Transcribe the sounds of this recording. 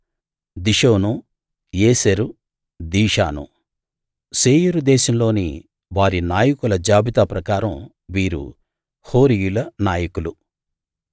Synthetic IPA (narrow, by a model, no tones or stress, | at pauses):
d̪iʃoːnu | jeːseɾu | d̪iːʂaːnṵ | seːjuɾud̪ɛːʃɐmlo̞ːnḭ | ʋaːɾinaːjɐkulɐd͡ʒaːbit̪aːpɾɐkaːɾɐm | ʋiːɾṵ | ho̞ːɾijulɐnaːjɐkulu